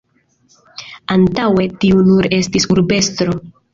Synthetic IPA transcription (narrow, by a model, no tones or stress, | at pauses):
antawe̞tiunuɾe̞stisuɾbe̞stɾo̞